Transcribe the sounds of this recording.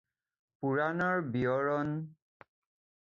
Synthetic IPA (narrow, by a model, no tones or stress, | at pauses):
puɹanɔɹbiɔɹɔn